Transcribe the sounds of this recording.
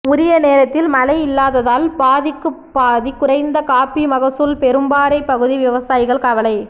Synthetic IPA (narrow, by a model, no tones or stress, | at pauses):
ʊɾɪjɐneːɾɐt̪ːɪlmɐlɐɪɪlːaːðɐðaːlbaːðɪkːɯpːaːðikːʊrɐɪnd̪ɐkaːpimɐɣɐsɯlpɛɾɯmbaːɾɐɪpːɐɣɯðiʋɪʋɐsaːjɪɣɐɭkɐʋɐlɐɪ